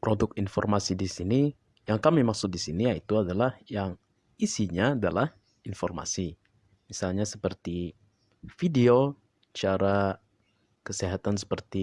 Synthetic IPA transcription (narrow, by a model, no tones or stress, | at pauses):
pɾodʊkinfɔ̰rmasidisini | jaŋkamimaksʊk̪̚disiniait̪uadalahjaŋ | isiɲaːdalah | infɔrma̰si | misalɲasə̥pərt̪i | fideo | t͡ʃaɾa | kəseɦat̪ans̬ə̥pərt̪i